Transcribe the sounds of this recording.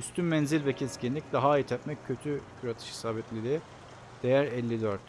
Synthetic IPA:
yst̪ʰynmɛnzilʲvɛcʰɛscʰinlʲicd̪aɦait̪ʰɛt̪mɛcʰːøt̪ʰycʰyɾat̪ʰɯ̥ʃhi̥saːbɛt̪lʲiɾi | d̪̥e̞jæɾɛlʲːid̪øɾt̪

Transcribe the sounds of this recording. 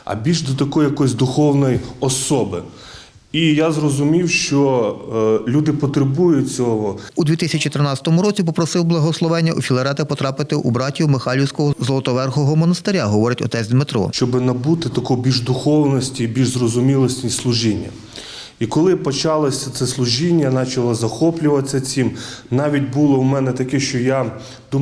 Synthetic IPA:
ɐ̰bʲilʲʒd̪ɔt̪ɐkɔjjɐkɔjz̬ʲd̪ʊxɔwnɔjiɔsɔbɪ | ijazrɔzʊmʲiwʃt͡ʃɔ | lʲud̪ɪpɔt̪ɾebujʊt͡sʲɔɦɔud̪ʲʋʲit̪ɪsʲɐt͡ʃʲɪt̪ɾnɑtʲt͡sʲsʲɐ̥t̪ɔmʊɾɔt͡sʲipɔpɾɔsɪwblˠɐɦɔslˠɔʋɛnʲːɐufʲilˠɐɾɛt̪ɐpɔt̪ɾɑpɪt̪ɪʔubɾɑtʲiwmexɑlʲiwsʲkɔɦɔzɔlˠɔt̪ɔʋɛrxɔɦɔmɔnɐst̪ɪɾʲaɦɔʋɔɾɪtʲɔ̰t̪ɛt͡sʲd̪mɪt̪ɾɔ̰ʃt͡ʃɔbɪnɐbut̪ɪt̪ɐkɔbʲilʲʒd̪ʊxɔwnɔsʲtʲibʲilʲʒzrɔzʊmʲilˠɔsʲnʲislˠʊʒinʲːɐ̰ | ikɔlˠɪpɔt͡ʃɑlˠɔsʲɐt̪sɛslˠʊʒinʲːɐnɑt͡ʃɐlˠɔzɐxɔplʲʊʋɐtsʲɐt͡sʲimnɑʋʲit̚ʲbulˠɔwmɛnɛt̪ɐkɛʃt͡ʃɔja | d̪u

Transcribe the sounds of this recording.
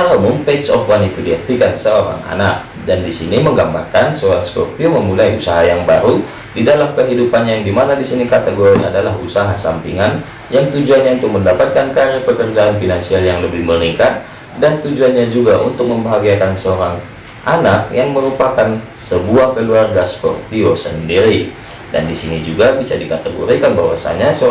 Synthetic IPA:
amumpesəɔfwanit̪udiak̚t̪ikansəoɾa̰ŋa̰nak̚ | dandisiniməŋɡambarkansəoɾaŋsko̰pioməmulaiusaɦajaŋba̰ɾu | didalamkəɦidupanjajaŋdimanadisinikat̪əɡoɾiadalaɦṵsaɦasa̰mpḭŋan | jaŋt̪ud͡ʒuanɲaunt̪ʊk̚məndapat̪̚kankaɾipəkərd͡ʒaːnfinansialjaŋləbɪhməɾiŋkat̪̚ | dant̪ud͡ʒuanɲad͡ʒuɡaʔunt̪ʊk̚məmbaɦaɡiakansəoɾaŋ | ʔanak̚jaŋməɾupakan | səbuahkəluarɡaspɔ̰rpiosəndiɾi | da̰ndisinid͡ʒuɡabisadikat̪əɡo̰ɾikanba̰ɦwa̰sa̰ɲasə

